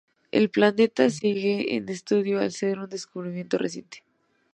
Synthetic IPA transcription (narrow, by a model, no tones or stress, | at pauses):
ḛlplane̞t̪asiɣeḛnest̪uðjoa̰lseɾund̪e̞skuβɾimje̞nt̪orʔesje̞̰nt̪e̥